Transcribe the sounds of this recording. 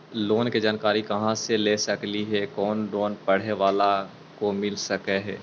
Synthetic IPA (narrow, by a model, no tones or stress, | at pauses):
loːnked͡ʒaːnkaːɾikɐɦãseleːsɐkliɦɛkɔːnɖoːnpɐɽ̤eʋaːla | komɪlsɐkeɦɛː